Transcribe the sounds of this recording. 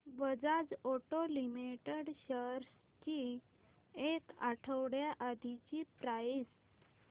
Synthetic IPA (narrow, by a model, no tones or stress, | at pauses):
bəd͡zad͡zoʈolimiʈeɽɕəɾ | t͡ɕi | ekaʈʰəwɽjaʔad̪ʱit͡ɕipɾais